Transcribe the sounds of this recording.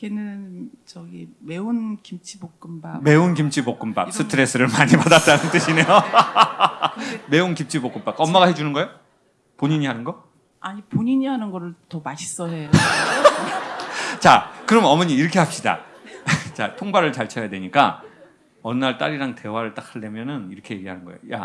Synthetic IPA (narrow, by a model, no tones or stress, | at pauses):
kenɯn | t͡ɕʌɡimeunkimt͡ɕʰibokk͈ɯmbame̞unkimt͡ɕʰibok͈ɯmpa̰k̚s͈ʰɯtʰɯɾe̞s͈ʰɯɾɯɭmaɲipadat͈anɯnt͈ɯɕʰine̞jo | me̞unkimt͡ɕʰibok͈ɯmp͈ak̚ʌmːaɡaɦe̞d͡ʑunɯnɡʌjo | poɲiɲiɦanɯnɡʌ | aɲipoɲiɲiɦanɯnɡʌɾɯɭtʌmaɕʰi̥s͈ʌɦeo | t͡ɕakɯɾʌmʌmʌɲiiɾʌkʰe̞ɦap̚ɕ͈ida̰ | t͡ɕa̰tʰoŋbaɾɯɭt͡ɕaɭt͡ɕʰʌjadweɲik͈a̰ | ʌnːaɭt͈a̰ɾiɾaŋte̞waɾɯɭt͈ak̚hɯɭːemjʌnɯniɾʌkʰeje̞ɡiɦanɯnɡʌejoja̰